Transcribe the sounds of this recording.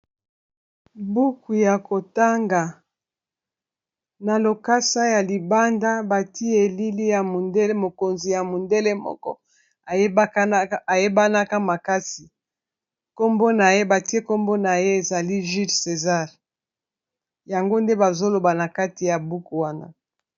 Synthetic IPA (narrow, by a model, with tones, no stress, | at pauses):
bu˦ku˨ja˨ko˨ta˦ŋɡa˨ | na˨lo˨ka˦sa˦ja˨li˨ba˦nda˦ba˨ti˦e˨li˦li˦ja˨mo˨nde˦le˦mo˨ko˨nzi˨ja˨mo˨nde˦le˦mɔ̰˦kɔ̰˦ | a˨˦a˨je˦ba˦na˦ka˦ma˨ka˦si˨ | ko˦mbo˦na˨je˦ba˨ti˦e˦ko˦mbo˦na˨je˦e˨za˨li˦ʒi˦lse˨za˦ʁ | ja˨ŋɡo˦nde˦ba˨zo˦lo˨ba˨na˨ka˦ti˨ja˨bu˦ku˨wa˦na̰˦